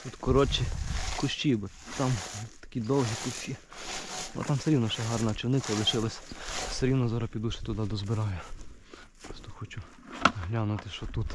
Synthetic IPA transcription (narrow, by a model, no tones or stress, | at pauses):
t̪ut̪kɔɾɔt͡ʃikʊʃt͡ʃʲibɔ | t̪ɑmt̪ɐ̥kʲid̪ɔwɦikʊʃʲt͡ʃʲi | bɔ̰t̪ɑmseɾʲiwnɔʃɛɦɑrnɐt͡ʃɪwnɪkɐlˠɪʃɪlˠɐsʲseɾʲiwnɔzɔɾɐpʲid̪uʃɪ̥t̪ʊd̪ɑd̪ɔzbɪɾɑjʊ | ɔst̪ɔxɔt͡ʃʊ | ɦlʲanʊt̪ɪʃt͡ʃɔt̪ut̪